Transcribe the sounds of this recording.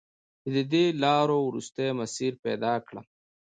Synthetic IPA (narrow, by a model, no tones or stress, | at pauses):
ted̪əd̪elɑɾowɾṵst̪ajmasiɾpɛ̰d̪ɑkɽəm